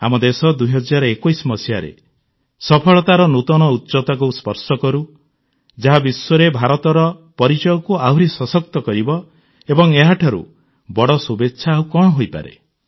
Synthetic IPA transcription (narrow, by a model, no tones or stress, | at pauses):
a̰mɔd̪esɔd̪ujɦɔd͡ʒaɾɔekɔjsmɔsijaɾḛ | sɔpʰɔɭɔt̪aɾɔnut̪ɔñɔutːt͡ʃɔt̪ɔkospɔɾsɔkɔɾu | d͡ʒaɦabisːɔɾebʱaɾɔt̪ɔɾɔpɔɾit͡ʃɔjɔkuauɾesɔsɔk̚t̪ɔkɔɾibɔ | ebɔŋeɦaʈʰɔɾṵ | bɔɽɔsubetːʃʰaːukɔɽ̃ɔɦojpa̰ɾḛ